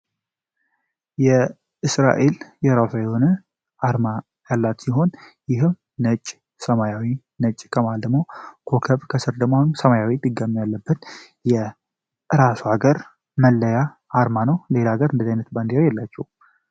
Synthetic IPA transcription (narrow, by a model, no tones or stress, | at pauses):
jɛ | ʔɨsɾa̰ʔe̞ljɛɾafaeonɨ | ʔaɾma | jalːat̪siɦo̞njɪɦɨm | nət͡ʃʼ | səmajawi | nət͡ʃʼːkʰəmald̪əɡmo̞kʰo̞kʰəβkʰəsɨɾd̪əɡmosəmajawid̪ɨɡamːjalːəbːət̪ | jɛ | ʔɨɾasuaɡəɾ | məlːəja | ʔːɾmanəwle̞laɡəɾɨnd̪əzajnət̪band̪iɾajɛlːat͡ʃːɛ̰hu